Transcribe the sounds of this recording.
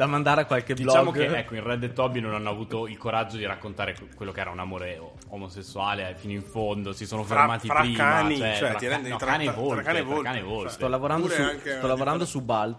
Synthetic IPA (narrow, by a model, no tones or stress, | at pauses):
d̪amand̪aːɾeakːwalked̪ilt͡ʃɔaɡmokeɛkːoinrɛd̪et̪ːɔbinonanːoavuːt̪oilkoɾad͡ʒːod̪iɾakːont̪aːɾe | kwelːokeɛːɾaunamoːɾeo | omosesːuaːlefinoiɱfond̪osisoːnofermaːt̪ipaɾiːamant͡ʃɛaɛnɔkanevolkaevokanevoltt̪ɔlːavoɾand̪osusɔlavoɾand̪osubal